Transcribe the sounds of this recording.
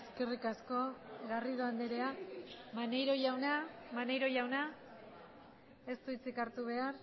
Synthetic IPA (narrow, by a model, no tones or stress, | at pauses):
eske̞rikasko̞ɣariðo̞and̪eɾe̞amane̞jɾo̞ʝawnamanejɾo̞ʝawna | e̞st̪uit͡sikaɾt̪uβ̞e̞ar